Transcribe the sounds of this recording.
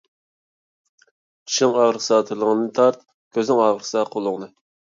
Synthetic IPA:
i̥ʃɪŋɑːʁɾəqsɑːt̪ʰɨlˠəŋənɨnɨt̪ʰɑɾt̪̚ | kʲʰøznɪŋɑːʁəɾsɑqʰolˠʊŋnɨ

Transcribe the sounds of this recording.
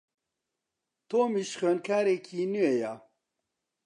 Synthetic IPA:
t̪ʰoːmiʃxøːnkʰaːɾekʰiːnueja

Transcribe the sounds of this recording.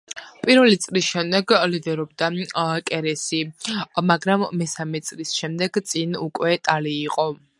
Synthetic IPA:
pʼiɾvɛlit̪sʼlisʃɛmd̪ɛɡlid̪ɛɾɔb̚d̪akʼɛɾɛsimaɡɾamːɛsamɛt̪sʼlisʃɛmd̪ɛɡt̪sʼinukʼwɛt̪ʼaliːqʼɔ

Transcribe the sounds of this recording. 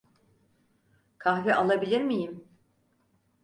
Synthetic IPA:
kʰahviʔalˠabilʲiɾmijim

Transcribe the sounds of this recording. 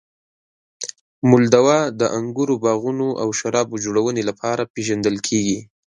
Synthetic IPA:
mʊld̪awɑd̪əʔaŋɡuɾobɑɣunoʔa̰wʃaɾɑbod͡ʒoɽawənelapʰɑɾapeʒand̪əlkʰeɡi

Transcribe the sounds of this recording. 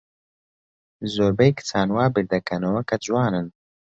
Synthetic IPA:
zoːɾbɐjkʰɨ̥t͡sʰaːnwaːbɨɾd̪ɐkʰɐnɐwɐkʰɐd͡ʒuwaːnɨn

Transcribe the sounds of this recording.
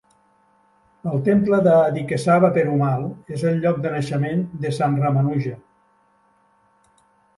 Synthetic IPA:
əlˠt̪empləðaːðikesaβəpeɾumalˠezəlʎɔk̚d̪ənəʃəmend̪əsanramanuʒə

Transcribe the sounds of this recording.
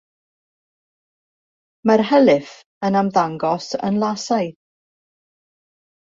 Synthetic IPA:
marɦəlˠɪθ | ənamðaŋɡɔsə̰nlˠasaj

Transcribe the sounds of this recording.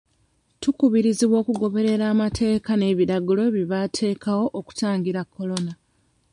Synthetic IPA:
tukuβiɾiziβwo̞ːkuɡo̞βe̞ɾe̞ɾaːmatʰe̞ːkane̞ːβiɾaɡulo̞βiβatʰe̞ːkawo̞ʔoku̥taːŋɡiɾakːo̞lo̞na

